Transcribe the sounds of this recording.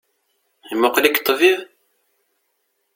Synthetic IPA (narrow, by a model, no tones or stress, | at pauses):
imʊqlikt̪ˤːviʁ